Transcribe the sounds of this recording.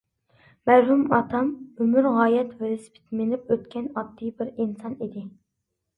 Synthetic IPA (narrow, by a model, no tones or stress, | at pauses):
mæɾɦumɑt̪ʰɑmømyɾʁɑːjɛt̪vɪɾɪspʰi̥t̪mɪnɪpøt̪̚kʲʰɛnɑt̪ːɨjbɪɾinsɑnid̪ɪ